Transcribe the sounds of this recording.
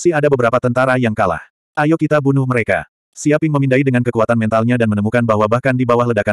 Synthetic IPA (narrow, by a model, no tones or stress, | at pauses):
sihadabəbəɾapat̪ənt̪aɾajaŋkala̰h | ʔajokit̪abunʊhməɾeka̰ | siapjɪŋməmindaidəŋankəkuat̪anmɛnt̪alɲadanmənəmukanbaɦwabahkandibawahlədaka